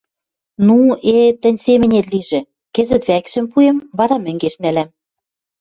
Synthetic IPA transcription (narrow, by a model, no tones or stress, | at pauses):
nuet̪ə̆nʲsemɘ̆nʲet̪liʒĕ | kɘ̆zɘ̆t̪βækʃɘ̆mpuemβɑɾɑmɘ̆ŋɡeʃnælæm